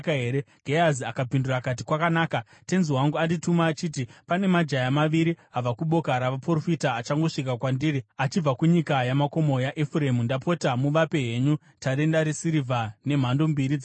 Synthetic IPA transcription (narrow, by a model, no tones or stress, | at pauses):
kaɦe̞ːɾe | ɡ̥ʱeaziakapindurakat̬ikwakanaːka | te̞nziwaŋɡuanditumaːt͡ʃiːtipane̞mad͡ʒajamaʋiɾiab͡vakuɓo̞kaɾaʋaporofitaːt͡ʃaŋɡo̞ʂik̬akwandiːriat͡ʃib͡vakuɲikajamako̞mo̞jaʔefuɾe̞mundapotamuʋape̞ɦe̞ɲu | taɾendaɾesiɾivʱane̞m̤ando̞mbiɾid͡z